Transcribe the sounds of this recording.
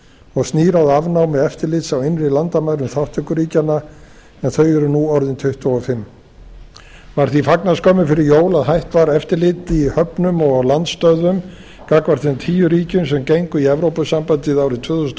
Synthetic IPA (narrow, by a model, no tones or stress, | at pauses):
ɔɣst̪niːɾawðavnawmɛðɛft̪ɪɾlɪt̪sawɪnrɪlant̪amaðɾʏmθawht̪ʰʏkʏɾiːcanːa | ɛnθœɥɛɾʏnuɔɾðɪnt̪ʰʏht̪vaɔfɪmː | vaɾ̥θifaknaskɔːmʏfɪɾɪɾjoːwlaðɦajht̪vaɾɛft̪ɪɾlɪt̪ɪihœpnʏmɔɣalant̪st̪œðʏm | kakvaɾ̥θɛnt̪ʰiːjʏɾiːcʏns̬ɛmcejŋkʏiɛvɾowpʏsampant̪ɪðawɾɪt̪ʰvʏːθust̪